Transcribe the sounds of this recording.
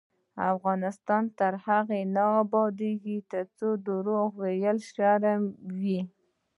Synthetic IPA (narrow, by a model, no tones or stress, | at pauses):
a̰fɣɑnɪst̪ɑnt̪əɾhaɣenaːbɑd̪eɡit̪əɾt͡sod̪əɾoɣwejəlʃɑɾamwi